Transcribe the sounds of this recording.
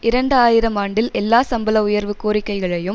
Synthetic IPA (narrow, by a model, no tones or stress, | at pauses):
ʔɪɾɐɳɖɯaːjɪɾɐmaːɳɖɪlɛlːaːsɐmbɐlɐʊjɐɾʋɯkːoːɾɪkːɐɪɣɐɭɐjɯm